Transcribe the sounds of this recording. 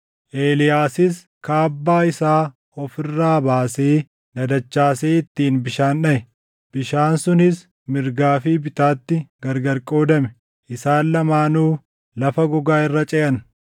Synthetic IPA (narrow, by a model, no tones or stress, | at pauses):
ʔeːlɪjaːsɪs | kaːbːaːɪsaː | ɔfɪrːaːbaːseː | dɐd̪ɐt͡ʃːaːseːɪt̪ːiːnbɪʃaːnᶑɐʔɛ | b̥ɪʃaːnsʊnɪs | mɪɾɡaːfibɪt̪aːt̪ːɪɡɐɾɡɐɾkʼo̞ːd̪ɐmɛ̥ | ʔɪsaːnlɐmaːnuː | lɐfɐɡɔɡaːɪrːɐt͡ʃʼɛʔɐn